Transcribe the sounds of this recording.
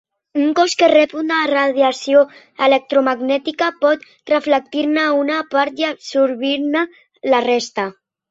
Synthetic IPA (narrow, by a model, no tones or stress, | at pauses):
uŋkɔskerɛpunaraðjasjo | elek̚t̪ɾumaɡnɛt̪ikapɔt̪ | rəflək̚t̪iɾnaunapaɾt̪iapsuɾβiɾnə | larest̪a